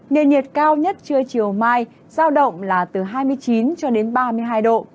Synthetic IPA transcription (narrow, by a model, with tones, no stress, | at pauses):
ŋe˨˩ənɲi˨˩ət̚kaː˧wɲə˦˥t̚t͡ɕɨ˧ət͡ɕi˨˩əwmaː˧j | zaː˧wɗə̰˧˨wŋ͡mlaː˨˩t̪ɨ˨˩ɦaː˧jmɨ˧əjt͡ɕi˨˦nt͡ɕɔ˧ɗe˨˦nɓaː˧mɨ˧əjɦaː˧jɗo̰˧˨